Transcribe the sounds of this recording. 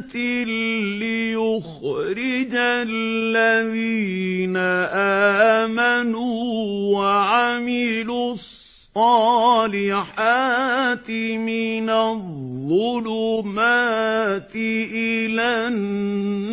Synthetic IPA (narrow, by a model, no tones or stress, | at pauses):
t̪ɪlɪjʊxɾɪd͡ʒallːaðiːnaʔaːmanuːwaʕamɪlussˤɑːlɪħaːt̪ɪmɪnaððˤːʊlʊmat̪ɪʔɪlan